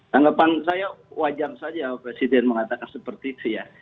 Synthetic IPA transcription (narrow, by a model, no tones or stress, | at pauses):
t̪aŋɡapansajawad͡ʒarsad͡ʒapɾesidɛnməŋat̪akansəpərt̪iːt̪uja